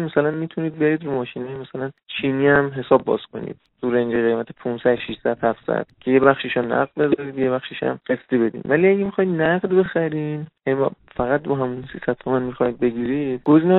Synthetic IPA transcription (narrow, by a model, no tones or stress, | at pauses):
nmæsælænmiːt̪ʰuniːd̪̚be̞ɾiːd̪ɾumɒːʃinɒjmæsælænt͡ʃʰiːniæmɦe̞sɒːbːɒ̰ːz̥kʰo̞̰nḭːd̪̥tuɾend͡ʒeɣejmæt̪ʰepʰũnsæd̪ʃiʃsæd̪̥hæfsæ̰d̪̥cʰe̞jebæχʃiʃɔnæ̰ɢd̪be̞zɒɾiːd̪jeβæxʃiʃæ̰mɢest̪ibe̞d̪ḭːmvæliæɟemixɒjid̪næɢd̪be̞xæɾinjænim̰fæɣæt̪̚bɒɦæmunsisæt̪̚ʰt̪ʰomænmixɒjid̪̚be̞ɟiːɾid̪̥ɡozinɒ